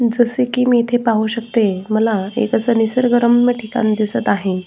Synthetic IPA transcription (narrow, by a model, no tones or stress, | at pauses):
d͡zəsekiːmiːt̪ʰepaɦuɕəkt̪eməlaḛkəsənisəɾɡəɾəmməʈʰika̰nid̪isət̪aɦe